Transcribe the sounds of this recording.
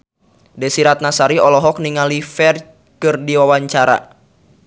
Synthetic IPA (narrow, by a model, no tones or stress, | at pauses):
dɛsiɾat̪̚nasaɾiɔlɔɦɔk̚niŋalifɛr | kɨrdiwawaɲt͡ʃaɾa̰